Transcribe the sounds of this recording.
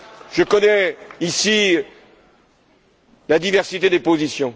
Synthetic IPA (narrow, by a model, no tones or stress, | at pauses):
ʒ̥əkɔnɛisi | lad̪ivɛʁsit̪ed̪epozisjɔ̃